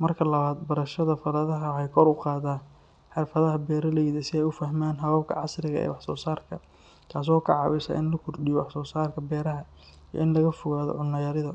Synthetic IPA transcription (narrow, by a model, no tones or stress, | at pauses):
mɐrkʰɐlɐβaːd̪bɐɾɐʃɐðɐfɐɾɐðɐɦɐwħɑjkʰɔɾʊqɑːðaːn | ħɪrfɐðɐɦɐbɛːɾɐlɛjðɐsɪɛjʊfɐɦmaːnɦɐβɐb̚kʰɐ̰ʕɑsrɪɣɐ̰ʔɛ̰ːwɑħsɔːsaːrkʰɐ | k̪ʰaːs̬ɔːkʰɑʕɑ̰wɪsɐ̰ʔɪnlɐkʰʊrɖɪjɔwɑħsɔːsaːrkʰɐbɛːɾɐɦɐ | ijɔ̰ɪnlɐɣɐfʊɣaːðɔ̰ʕʊnːɐjɐɾɪðɐ